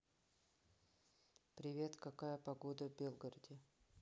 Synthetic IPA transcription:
pɾʲɪvʲe̞t̪kɐkajəpɐɡod̪əvbʲelˠɡəɾədʲɪ

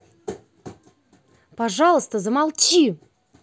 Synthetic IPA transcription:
paʐɑlˠəst̪əzəmɑlˠt͡ɕi

